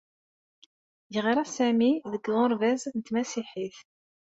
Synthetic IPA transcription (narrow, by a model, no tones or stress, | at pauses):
jʁiɾˤasæmiðəɡðʊɾˤvæznt̪mæsiħiθ